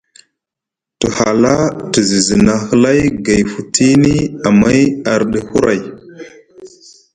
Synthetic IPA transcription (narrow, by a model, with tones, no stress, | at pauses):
tə˨ha˨la˦tə˨zi˨zi˨na˨hə˦la˦jɡa˨jfu˨tʰi˦ni˦a˨ma˦ja˨ɾɗə˨hu˦ɾa˨j